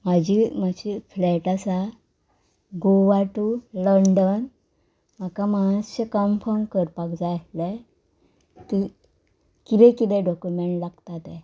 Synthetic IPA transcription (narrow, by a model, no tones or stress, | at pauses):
mad͡ʑʱimad͡ʑiflɛʈasa | ɡoʋaʈuləɳɖən | m̤akamaãɕəkəmpɔɳkəɾpaɡd͡zaalɛ | t̪i | kit̪ɛ̃kit̪ɛ̃ɖɔkjumeɳʈlaɡt̪at̪ɛ̃